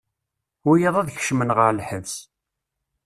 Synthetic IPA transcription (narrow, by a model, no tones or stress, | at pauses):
wijəðˤæðç̥ʃmənʁəɾlħəvs